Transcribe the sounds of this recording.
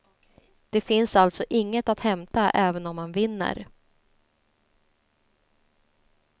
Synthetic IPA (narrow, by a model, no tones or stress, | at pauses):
d̪̥ɛfɪnsalt̪sɔʔɪŋːət̪at̪hɛmt̪aʔɛːvənɔmːanvɪnːə̰ɾ